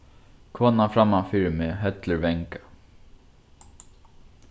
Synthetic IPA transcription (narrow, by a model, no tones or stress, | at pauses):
kʰvɔnafɾamːafiːɾɪmɪːɦɛt̪lɪɹvɛŋkḁ